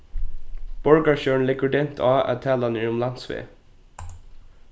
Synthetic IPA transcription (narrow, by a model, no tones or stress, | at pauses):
b̥ɔɹɡɑʃøːɳ̩lɪɡəɖɛnt̪ʰɑːæ̰ːt̪ʰæːlɑniːʊmlɑnsʋḛː